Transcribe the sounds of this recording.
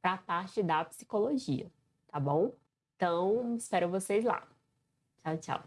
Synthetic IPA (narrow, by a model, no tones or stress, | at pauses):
pɾɐpaɾt͡ʃɪd̪ɐpi̥si̥koloʒiɐ̰ | t̪abõw̃ | ẽt̪ɐ̃w̃ɪspɛɾɐvosezla̰ | t͡ʃawt͡ʃa̰w